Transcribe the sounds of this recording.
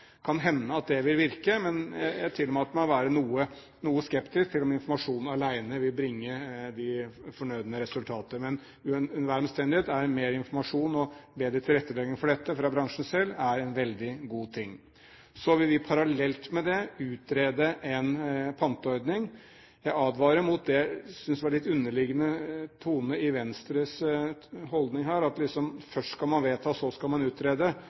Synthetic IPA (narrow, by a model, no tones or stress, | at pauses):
kʰɑnɦɛnːəɑt̪̚d̪ɛʋɪlʋɪɾkəmɛnjæɪt̪ʰɪlːɔmæt̪mæʋæːɾənuːə | nuːəskɛpt̪ɪskt̪ʰɪlːɔmɪnfɔɾmɑʂuːnɑlæɪnəʋɪlbɾɪŋːəd̪ɪfɔɳœʏd̪ənəɾɛsʉlt̪ʰɑːt̪əmɛn | ʉʉnʋæɾmst̪ɛnd̪ɪheːt̪æɾmeːɾɪnfɔɾmɑʂuːnɔbeːd̪ɾət̪ʰɪlɾɛt̪ːəlɛɡɪŋfɔɖɛt̪ːəfɾɑbɾɑŋʂn̩sɛlːæɾɛnʋɛld̪ɪɡuːt̪ʰɪŋː | sɔʋɪlʋɪpʰɑɾɑlɛlt̪mɛd̪ɛʉːt̪ɾeːd̪əʔɛnpʰɑnt̪əɔɾd̪nɪŋ | jæɪɑːd̪ʋɑːɾəmʊt̪̚d̪ɛsʏnsd̪ɛɑɭɪt̪ːʉnːəɭɪɡənət̪ʰuːnəɪʋɛnst̪ɾəs | hɔld̪nɪŋɦæːɾɑt̪lɪksɔmfœʂʈskɑlmɑnʋeːt̪ʰɑːsɔskɑlmɑnʉːt̪ɾeːd̪ə